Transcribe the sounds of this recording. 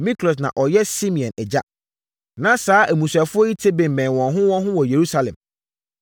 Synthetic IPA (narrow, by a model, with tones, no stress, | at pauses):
mĩ˦kʰlɔ˨s̬nã̰˨ʔɔ˨jɛ˦si˦mĩ˨ɔ̃˨nɛ˨d͡ʑa˦ | nã˨saː˨˦ʔæ˨mũ˨sa˨fʊ˦ɔ˦i˦tʰe˦bẽ˨m˨bɛ̃˨n˨wɔ̃˨nɦʊ̃˦wɔ̃˦nɦʊ̃˦wɔ˨je˨ɾu˦sa˨lɛ̰̃˨m